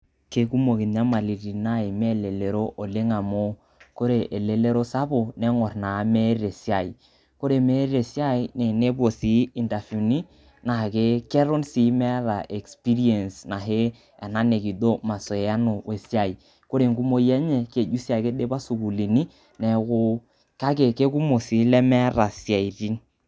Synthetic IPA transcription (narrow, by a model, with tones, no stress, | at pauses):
ke˦ku˦mo˨ki˨n˦a˦ma˨li˨ɾi˨na˦i˨me˦le˨le˨ɾo˦ʔo˨le˦ŋa˨mo˦ | ko˦ɾe˨ʔe˨le˨le˦ɾo˦sa˦bo˨nɛ˦ŋɔ˨ɾna˨˦me˦ɾe˨si˦a˨i˨ | ko˦ɾe˨me˦ɾe˨si˦a˦i˦nɛ˨ne˦bo˨si˨˦i˨nta˨fu˨ni˦ | na˨ke˦ke˦ɾo˦nsiː˨˦mɛ˦ɾa̰˨ʔe˨kspi˦ɾi˦e˨nsna˨ɦe˦ | ɛ˨na˦ne˨ki˨do˦ma˨so˨a˦no˨we˨si˦a˨i˨ | ko˦ɾe˨ŋku˦mo˦jɛ˦ɲe˦ke˨d͡ʒu˦si˦a˨i˨ke˦de˦ba˦su˨ku˨li˨ni˦ | nɛ˨kʊ˦ | ka˦k̬e˨ke˦ku˦mo˨si˨˦lɛ˦mɛ˦ɾa˨si˨a˨i˨ɾi˦n